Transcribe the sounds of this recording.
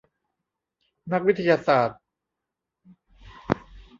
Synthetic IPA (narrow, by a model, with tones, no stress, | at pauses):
na˦˥k̚wi˦˥t̪ʰa˧jaː˧saː˨˩t̪̚